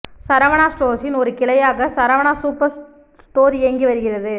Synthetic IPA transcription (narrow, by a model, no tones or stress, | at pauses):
sɐɾɐʋɐɳaːsʈoːsɪnɔɾɯkɪɭɐjaːɣɐsɐɾɐʋɐɳaːsuːpɐɾ | sʈoːɾeːŋɡiʋɐɾɯɣɪrɐðɯ